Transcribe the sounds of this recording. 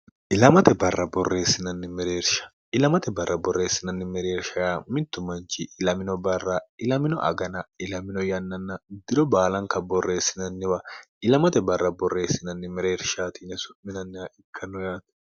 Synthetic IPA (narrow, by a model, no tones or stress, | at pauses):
ʔɪlɐmɐt̪ɛbɐrːɐbɔrːe̞ːsːɪnɐnːɪmɛɾe̞ːɾʃɐ̥ | ɪlɐmɐt̪ɛbɐrːɐbɔrːe̞ːsɪnɐnːɪmɛɾeːɾʃɐamɪt̪ːʊmɐnt͡ʃɪʔɪlɐmɪnɔbɐrːɐɪlɐmɪnɔ̰ʔɐ̰ɡɐnɐɪlɐmɪnɔjɐnːɐnːɐd̪ɪɾɔbaːlɐŋkɐbɔrːe̞ːsːɪnɐnːɪwɐʔɪlɐmɐt̪ɛbɐrːɐbɔrːe̞ːsːɪnɐnːɪmɛɾe̞ːɾʃaːt̪inɛsʊmɪnɐnːɪɐʔɪkʰːɐnɔjaːt̪